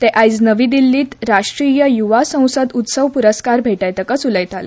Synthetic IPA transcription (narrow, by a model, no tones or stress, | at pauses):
t̪eʔajd͡znəʋid̪ilːiːt̪ɾaʂʈɾijəjuʋasə̃w̃səd̪ut̪səʋpuɾəskaɾbʱeʈajt̪əkəsuləjt̪alə̰